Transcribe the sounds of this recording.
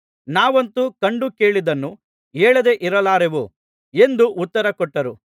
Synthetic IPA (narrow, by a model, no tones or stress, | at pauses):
naːʋɐnt̪ukɐɳɖuke̞ːɭid̪ɐnːu | eːɭɐd̪e̞ʔiɾɐlaːɾeʋu | e̞nd̪uʔːt̪ːɐɾɐkɔʈːɐɾu